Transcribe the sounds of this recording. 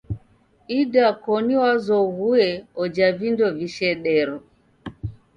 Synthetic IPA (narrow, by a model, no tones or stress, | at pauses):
idakɔniwazɔɣuɛɔd͡ʒavindɔviʃɛɗɛɾɔ